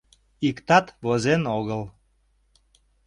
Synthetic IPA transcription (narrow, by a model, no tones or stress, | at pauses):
ikt̪ɑt̪βozenoɣəl